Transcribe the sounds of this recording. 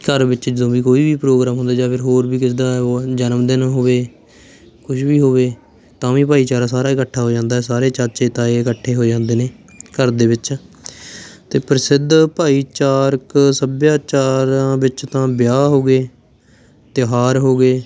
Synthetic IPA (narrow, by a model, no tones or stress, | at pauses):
kəɾʋɪt͡ʃd͡ʒɪd̪õːbiːkoːiːʋiːpɾoːɡɾaːmɦõnd̪aːd͡ʒaːpʰɪɾɦoːɾbiːkɪsd̪aːd͡ʒənmd̪ɪnɦoːʋeː | kʊʃʰʋiːɦoːʋeː | t̪ãːʋiːpaːiːt͡ʃaːɾãːsaːɾaːɪkəʈʰːaːɦoːd͡ʒãːnd̪aːɦɛːsaːɾeːt͡ʃat͡ʃeːt̪ãːeɪkəʈʰːeːɦoːd͡ʒãːnd̪eːneːkəɾd̪eːʋɪt͡ʃ | t̪eːpəɾsɪd̪ʱpaːiːt͡ʃaːɾksəbjaːt͡ʃaːɾãːʋɪt͡ʃt̪ãːbjaːɦoːɡeː | t̪ɪɦaːɾɦoːɡeː